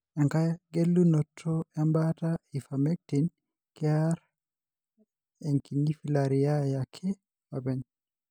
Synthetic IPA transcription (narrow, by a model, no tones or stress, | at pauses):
aŋkajaɡelːunɔtʰːɔɛmbataifamek̚tin | kiaɾ | ɛŋkinifilaɾijajakʰːɛ | fabɛn